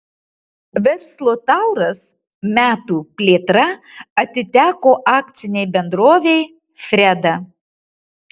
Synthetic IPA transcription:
ʋʲɛɾslˠoːt̪ɑˑʊɾɐs | mʲæːt̪uːpʲlʲeːt̪ɾɐɐt̪ʲɪt̪ʲæːkoːʔɑːk̚t̪sʲɪnʲɛɪbʲɛnd̪ɾoːʋʲeɪ | fʲɾʲɛd̪ɐ

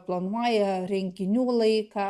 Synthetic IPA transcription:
plˠɐnuɔjɛɾʲɛŋʲkʲɪnʲuːlˠɐɪkɑ

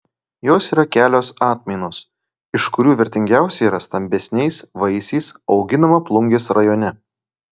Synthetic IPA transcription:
joːsiːɾɐkʲæːlʲoːsɑːt̪ʲmʲɛɪnoːs | ɪʃkʊɾʲuːʋʲɪɾʲt̪ʲɪŋʲɡʲæˑʊsʲɛɪiːɾɐst̪ɐmʲbʲɛsʲnʲɛɪsʋɐɪsʲɛɪsɒʊɡʲɪnɐmɐplˠʊŋʲɡʲeːsɾɐjoːnʲɛ

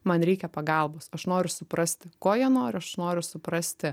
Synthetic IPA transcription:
mɐnɾʲɛɪkʲɛpɐɡɐlˠboːsɐʃnoːɾʲʊsʊpɾɐsʲt̪ʲɪkoːjiɛnoːɾʲʊɐʃnoːɾʲʊsʊpɾɐsʲt̪ʲɪ

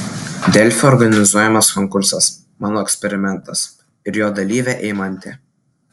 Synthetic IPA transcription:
d̪ʲɛlʲˑfʲɛɔɾɡɐnʲɪzuɔjɛmɐskɔŋkʊɾsɐs | mɑːnoːɛkʲsʲpʲɛɾʲɪmʲɛnt̪ɐs | ɪɾjoːd̪ɐlʲiːʋʲæʔɛɪmɐnʲt̪ʲɪ

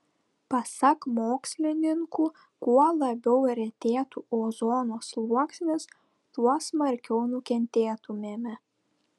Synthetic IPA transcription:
pɐsɐkmoːksʲlʲɪnʲɪŋkuː | kuɔlˠɐbʲɛʊɾʲɛt̪ʲeːt̪uːoːzoːnoːslˠuɔksʲmʲɪs | t̪uɔsmɐɾʲkʲɛʊnʊkʲɛnʲt̪ʲeːt̪ʊmʲeːmʲɛ

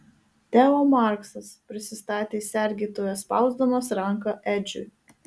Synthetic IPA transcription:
t̪ʲɛːoːmɑˑɾksɐspʲɾʲɪsʲɪst̪ɑːt̪ʲeːsʲɛɾʲɡʲiːt̪oːjospɑˑʊzd̪omɐsɾɐŋˑkɐʔɛd͡ʒʲʊ̰j

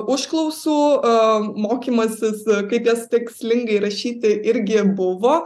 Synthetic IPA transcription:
ʊʃklˠɔʊsuː | moːkʲiːmoːsʲɪskɐɪpjɛst̪ʲɪksʲlʲɪŋɡɐɪɾɐʃʲiːt̪ʲɪʔɪɾʲɡʲɪbʊʋoː

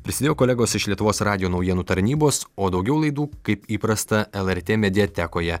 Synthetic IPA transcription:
pʲɾʲɪsʲɪd̪ʲeːjoːkoːlʲæːɡoːsɪʃlʲiɛt̪ʊʋoːsɾɑːd̪ʲɪjoːnɒʊjiɛnuːt̪ɐɾʲnʲiːboːsoːd̪ɒʊɡʲɛʊlˠɐɪd̪uːkɐɪpiːpɾɐst̪ɐɛlˠɛɾʲt̪ʲeːmʲɛd̪ʲɪjɛt̪ʲæːkoːjɛ

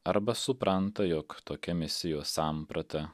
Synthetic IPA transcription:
ɐɾbɐsʊpɾɐnt̪ɐjɔːkt̪oːkʲɛmʲɪsʲɪjoːsɑˑmpɾɐt̪ɐ

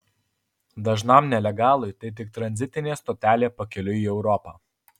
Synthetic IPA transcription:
d̪ɐʒnɐˑmnʲɛlʲɛɡɑːlˠʊjt̪ɐɪt̪ʲɪk̚t̪ɾɐnʲzʲɪt̪ʲɪnʲeːst̪oːt̪ʲæːlʲeːpɐkʲɛlʲʊiːɛʊɾɔpɑː

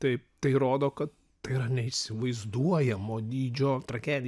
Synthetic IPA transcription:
t̪ɐɪt̪ɐɪɾoːd̪oːkɐt̪ | t̪ɐɪiɾɐnʲɛɪʃʲsʲɪʋɐɪzd̪uɔjɛmoːd̪ʲiːd͡ʒʲoːt̪ɾɐkʲæːd̪ʲ

